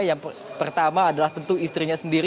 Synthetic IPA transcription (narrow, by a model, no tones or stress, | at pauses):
jaŋ | pərt̪amaːdalaht̪ənt̪uist̪ɾiɲasəndiɾi